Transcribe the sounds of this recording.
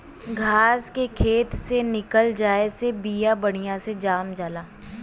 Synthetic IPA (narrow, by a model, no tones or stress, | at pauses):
ɡʱaːskekʰeːt̪senɪkəld͡ʒaːesebijabɐɽ̃ijãsed͡ʒaːmd͡ʒaːlaː